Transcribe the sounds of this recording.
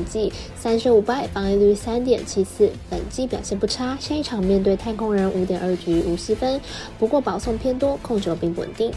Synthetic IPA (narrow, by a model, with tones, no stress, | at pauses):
t͡ɕi˥˩ | sa˥nʂɻ̩˧˥u˨˩pa˥˩ɪfɑ˧˥ŋi˥˧ly˥˧˩sa˥nt̪jɛ˨˩nt͡ɕʰi˥sɹ̩˥˩pə̰˨˩nt͡ɕi˥pjɑ˨˩ʊɕjɛ˥˧npu˥˩ʈ͡ʂʰa˥ɕɛ˥˧i˥˩ʈ͡ʂʰɑ˨˩ŋmjɛ˥˧nt̪we˥˩ɪt̪ʰa˥˩nkʰʊ˥ŋɻə˧˥nʔu˧˥t̪̬jɛ˨˩nə˞˥˩t͡ɕy˧˥u˨˩ɕ̩˥fə˥n | pu˧˥kwɔ˥˩pɑ˨˧˥ʊsʊ˥˩ŋpʰjɛ˥nt̪wɔ˥kʰʊ˥˩ŋʈ͡ʂɤ˧˥˩pi˥˩ŋwə̰˨˩nt̪i˥˩ŋ